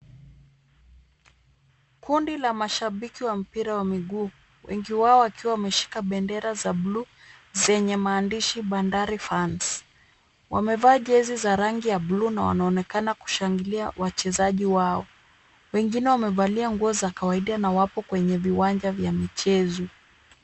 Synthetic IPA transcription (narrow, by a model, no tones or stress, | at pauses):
kundilamaʃaɓikiwam̩piɾawamiɠuː | wʔɛ̰ŋɡiwaɔakiwawamɛʃi̥kaɓɛndɛɾazablu | zɛɲɛmaːndiʃiɓandaɾifans | wamɛvaːʄɛzizaɾaŋɡijablunawa̰naɔnɛkanaku̥ʃaŋɡiliawat͡ʃɛzaʄiwaɔ | wɛŋɡinɛwamɛvaliaŋɡuɔzakawaiɗanawapɔkwɛɲɛviwand͡ʒavjamit͡ʃɛzɔ